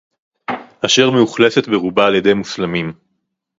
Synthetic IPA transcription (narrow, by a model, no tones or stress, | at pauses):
aʃe̞ʁmeuχleset̪be̞ʁubaːlje̞d̪e̞jmuslamim